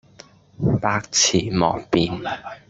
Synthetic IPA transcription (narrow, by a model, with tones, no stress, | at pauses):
paː˧k̚t͡sʰiː˨˩mɔ̰ː˨˩k̚piː˨n